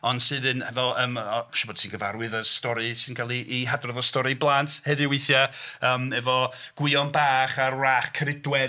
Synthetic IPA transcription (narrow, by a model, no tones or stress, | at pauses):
ɔnd̥sɨðɨnhɛvɔlˠəːmɔʃɔbɔd̥sinɡəvaɾwɨðəstɔɾɨsɨnkʰalˠiʔːɦadrɔðɔstɔɾiblˠantʰhɛðɪweθjaəːmɛvɔɡ̥wɪɔnbaːχarraːχkʰəɾɪdwɛ